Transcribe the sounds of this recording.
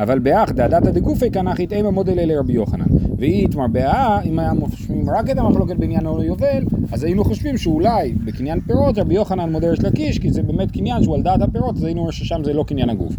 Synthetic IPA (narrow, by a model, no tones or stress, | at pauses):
avalbeaχd̪ead̪at̪adeɡufejkanaχit̪emamo̞d̪eleleʁabijoχana̰nveit̪maʁbeaimajamoʃvimʁake̞t̪amaχlo̞ket̚beinjanojovelazajinuχoʃvimʃeulajbekinjanpeʁo̞t̬ʁabijo̞χananmod̪eʁʃlakiʃkizebeːme̞t̪kinjanʃeuald̪at̪apeʁo̞t̪azajinuomimʃeʃamzelo̞kinjanaɡṵf